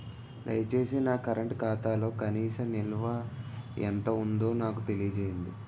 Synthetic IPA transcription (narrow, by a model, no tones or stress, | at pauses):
lɐ̰jt͡ʃe̞ːsinakɐɾʔɐɳʈkaːt̪aːlo̞ːkɐniːsɐmnilʋaḛnt̪ɐund̪o̞ːnaːkut̪e̞lijɐd͡ʒeːjind̪i